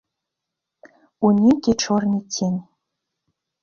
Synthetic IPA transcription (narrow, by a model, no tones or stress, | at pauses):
unʲikʲet͡ɕʰornʲitʲʰenʲ